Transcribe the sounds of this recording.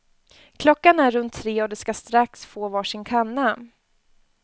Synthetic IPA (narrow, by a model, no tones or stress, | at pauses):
kʰlɔkːanæɾːɵnt̪ʰːɾeːɔd̪ɛskast̪ɾaksfoːvɑːʂɪŋkʰanːa